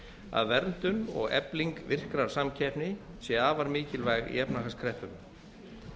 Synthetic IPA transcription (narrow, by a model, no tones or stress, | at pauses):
a̰ðvɛɾnt̪ʏnɔ̰ɣɛ̰pliŋkvɪr̥kɾaɾ̥samcʰɛpnɪ | sjɛaːvaɾmɪːcɪlvajɣḭɛpnaɦaskʰɾɛhpʏm